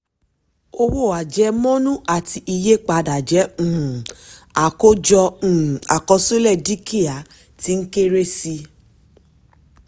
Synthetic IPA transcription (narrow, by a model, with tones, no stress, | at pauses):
o˧wo˦˨a˨d͡ʒɛ˨˧˦mɔ̃˦nũ˦ʔa˨ti˧ʔi˧je˦k͡pa˧da˨d͡ʒɛ˨˦ũ˦˨a˨ko˦d͡ʒɔ˧ũ˨a̰˨kɔ˧so˦lɛ˦˨di˦ki˦a˨ | ti˧˦n̩˦ke˦ɾe˦si˧